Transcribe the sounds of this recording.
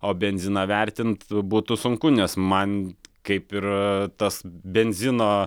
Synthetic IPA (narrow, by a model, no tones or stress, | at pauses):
oːbʲɛnʲzʲɪnɑʋʲɛɾʲt̪ʲɪnt̪buːt̪ʊsʊŋkʊnʲɛsmɐnkɐɪpɪrt̪ɐsbʲɛnʲzʲɪnoː